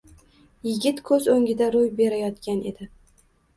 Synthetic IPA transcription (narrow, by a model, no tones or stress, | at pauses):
jɪɡʲɪt̪kʰɵzɵŋʲɪd̪aɾojbe̞ɾajɒt̪kʲane̞̰d̪ɪ